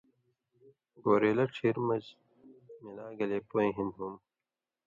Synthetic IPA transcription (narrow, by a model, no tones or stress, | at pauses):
ɡoːɾeːlɐʈ͡ʂʰiɾmɐd͡ʑ | milaːɡɐleːpoẽːɦinɦum